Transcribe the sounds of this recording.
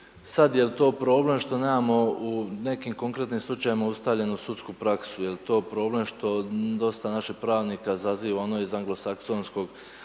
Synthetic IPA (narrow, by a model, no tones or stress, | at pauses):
sad̪je̞lt̪o̞ːpɾo̞ːble̞mʃt̪o̞neːmamo̞une̞kiːmko̞ŋkɾe̞t̪nimslˠut͡ʃajimaust̪aʋʎe̞nusut̪skupɾaksujelt̪o̞ːpɾo̞ːble̞mʃt̪o̞d̪o̞st̪anaʃiçpɾaːʋnikazaziːʋaonoizaŋɡlo̞sakso̞ːnsko̞ɡ